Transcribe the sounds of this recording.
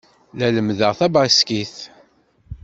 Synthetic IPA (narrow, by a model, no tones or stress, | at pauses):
læləmðəʁθæbaskiθ